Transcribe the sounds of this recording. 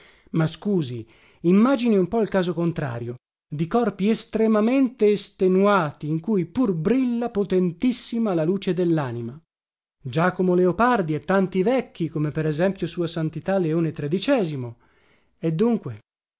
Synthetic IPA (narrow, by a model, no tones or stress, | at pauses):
maskuːzi | imːaːd͡ʒiniumpɔilkaːzokont̪ɾa̰ːɾjo | d̪ikɔrpiest̪ɾemament̪eːst̪enuaːt̪iːŋkujpurbɾilːapot̪ent̪isːimalaluːt͡ʃed̪elːaːnima | d͡ʒaːkomoleopard̪iɛt̪ːant̪ivɛkːikomepeɾezɛmpjosuːasant̪it̪alːeoːnet̪ɾed̪it͡ʃɛːzimo | ed̪ːuŋkwe